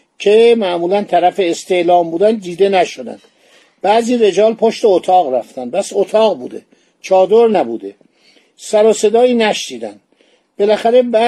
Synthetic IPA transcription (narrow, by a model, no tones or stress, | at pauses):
cʰemæʔmuːlænt̪ʰæɾæfeːst̪e̞ʔlɒːmbuːd̪ænd̪iːd̪e̞næʃod̪æ̰nd̪̥ | b̥æːziːɾe̞d͡ʒɒːlpʰoʃt̪e̞ot̪ʰɒːɣɾæft̪ʰænpʰæsot̪ʰɒːɣbuːd̪ḛ | t͡ʃʰɒːd̪oɾnæbṵːd̪e̞ | sæɾose̞d̪ɒːiːnæʃniːd̪ænd̪ | b̥e̞læxæɾe̞bæ